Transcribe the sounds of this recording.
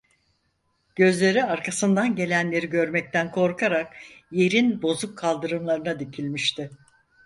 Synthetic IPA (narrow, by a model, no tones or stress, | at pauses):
ɟ̥ø̞zlʲe̞ɾiaɾkʰasɯnd̪anɟe̞lʲænlʲe̞ɾiɟø̞ɾmɛc̚t̪ʰænkʰo̞ɾkʰaɾakje̞ɾinbo̞zukʰːalˠd̪ɯɾɯmlˠaɾɯnad̪icʰilʲmiʃt̪ʰɪ